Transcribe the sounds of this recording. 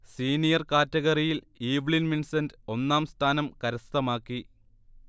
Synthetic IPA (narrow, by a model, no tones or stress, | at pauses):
siːnijɐrkaːtːɐɣɐrijil | iːʋɭinminsɐndɨo̞nːaːmst̪ʰaːnɐmkɐɾɐst̪ɐmaːkːi